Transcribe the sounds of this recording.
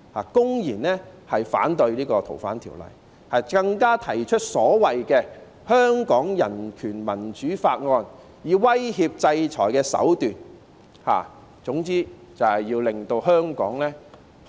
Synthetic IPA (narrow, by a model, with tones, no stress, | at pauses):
haː˨˩kʊ˥ŋjiː˨˩nɛː˥hɐ˨jfa̰ː˨˥nt̪ɵ˧ɥliː˥kɔː˧t̪ʰo̰˨˩wfaː˨˥nt̪ʰḭː˨˩wlɐ̰˨˩j | hɐ˨jkɐ˧ŋkaː˥t̪ʰɐ˨˩jt͡ʃʰɵ˥t̚sɔː˨˥wɐ˨jkɛː˧ | hœː˥ŋkɔː˨˥ŋjɐ˨˩nkʰyː˨˩nmɐ˨˩nt͡ʃyː˨˥faː˧t̚ŋɔː˧n | jiː˨wɐ˥jhiː˧p̚t͡sɐ˧jt͡ʃʰɔ̰ː˨˩jkɛː˧sɐ̰˨˥wt̪yː˨n | ha̰ː˨ | t͡sʊ˨˥ŋt͡siː˥ | t͡sɐ˨˩whɐ˨jiː˧wlɪ˨ŋt̪o˧wɦœː˥ŋkɔː˨˥ŋlɛː˥